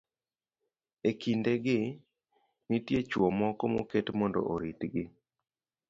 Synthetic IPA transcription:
ekindeɡɪ | nitjet͡ʃwɔmɔkɔmoketmɔndɔ̰ʔoɾitɡɪ

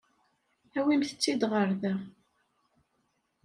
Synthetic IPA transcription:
æwimθət͡sːid̪ʁəɾðæ

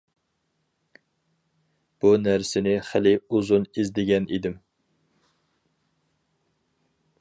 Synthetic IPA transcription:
b̥unæɾsɪnɪχɪlɪuzunizd̪ɪɡʲɛnid̪ɪm

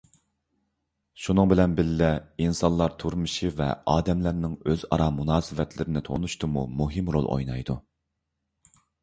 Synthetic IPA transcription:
ʃunɨŋbɪlɛnbɪlːɛinsɑnlˠɑɾt̪ʰuɾmɨʃivɛ̰ɑːd̪ɛmlæɾnɪŋøzɑ̰ɾɑmunɑːsɨvɛt̪ʰlɪɾɪnɪt̪ʰo̰nuʃt̪ɨmṵmuɦɪmɾo̰lˠʔo̰jnɑjd̪u

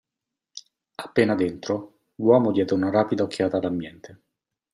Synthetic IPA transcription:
apːeːnad̪ent̪ɾo | lwɔːmod̪jɛːd̪eunaɾaːpid̪aokʰːjaːt̪ad̪ambjɛnt̪e

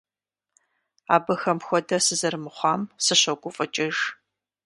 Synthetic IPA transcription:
aːbɨxɐmxʷɔdɐsɨzɐrmɨχʷɑːmsɨɕɐɡʷʊfʼɐt͡ʃʼɪʒ

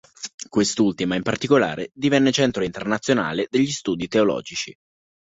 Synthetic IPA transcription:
kwest̪ult̪imaimpart̪ikola̰ːɾed̪ivɛnːet͡ʃɛnt̪ɾoint̪ernat̪sːjona̰ːled̪eʎːist̪uːd̪it̪eolɔ̰ːd͡ʒit͡ʃi

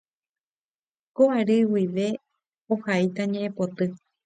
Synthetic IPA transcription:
koʔaɾɨwiʋe̞ | ohait̪aɲẽʔẽpot̪ɨ

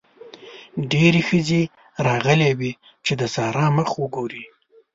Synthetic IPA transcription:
ɖeɾexəze | ɾɑɣəlewi | t͡ʃed̪əsɑɾɑməxwəɡoɾi

